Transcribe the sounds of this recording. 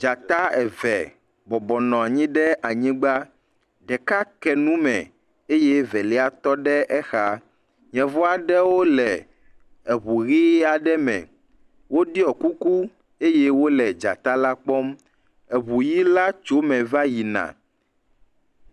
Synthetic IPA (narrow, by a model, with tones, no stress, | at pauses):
d͡ʒa˨t̪a˦ɛ˨vɛ̰˨ | bɔ˨bɔ˨nɔ̃˨a˨ɲĩ˦ɖɛ˦ʔa˨ɲĩ˦ɡ͡ba˦ | ɖɛ˨ka˦kɛ˨nũ˦mɛ̰̃˨ | e˦jɛ˦vɛ˨lɛ˦a˨t̪ɔ˦ɖɛ˦ʔɛ˦xa˦ | ɲɛ̃˨vɔ˦a˨ɖɛ˦wo˦lɛ˨ | ɛ˨βu˨ɣi˦a˨ɖɛ˦mɛ̰̃˨ | wo˦ɖi˦ɔ˨ku˦ku˦ | e˦jɛ˦wo˦lɛ˨d͡ʒa̰˨t̪a˦la˦k͡pɔ˦m | ɛ˨βu˨ji˦la˦t͡ʃo˦mɛ̃˨va˦ji˨nã̰˨